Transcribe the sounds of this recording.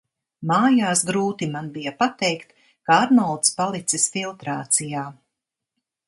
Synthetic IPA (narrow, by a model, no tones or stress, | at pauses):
maːjaːsɡɾuːt̪imanbijɐpat̪ɛjkt̪ | kaaɾnɔlˠt̪spalˠit̪sisfilˠt̪ɾaːt̪sijaː